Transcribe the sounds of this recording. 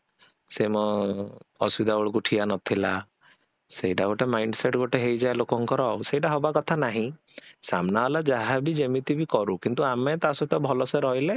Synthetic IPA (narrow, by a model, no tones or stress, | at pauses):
semɔ | ɔsubid̪ʱabɔɭɔkuʈʰianɔt̪ʰila | sejʈaɡoʈemajɳɖseʈɡoʈeɦejd͡ʒaelokɔŋkɔɾɔwsejʈaɦobakɔt̪ʰanaɦĩ | samnaɦɔlad͡ʒaɦabid͡ʒemit̪ibikɔɾukint̪uamet̪asɔt̪ɔbʱɔlɔseɾɔɦile